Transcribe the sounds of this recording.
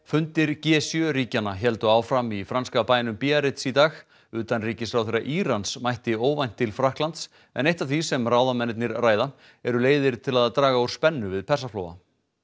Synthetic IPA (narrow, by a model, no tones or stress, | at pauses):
fʏnt̪ɪɾcɛːsjœɾiːcanaçɛlt̪ʏaːwfɾamifɾanskapaːjnʏmpiaɾɪt̪sit̪aːx | ʏːt̪anriːcɪsfɾawθejɾaʔiːɾansmajht̪ɪoːwvajn̥t̪ʰːɪlfɾahklant̪s | ɛ̰nejht̪aθisɛmrawðamɛnt̪nɪɾraːjða | ɛɾʏleːjðɪɾ̥t̪ʰɪlaðt̪ɾaːɣaowɾ̥spɛnːʏvɪðpʰɛrs̬aflo̰ːwva̰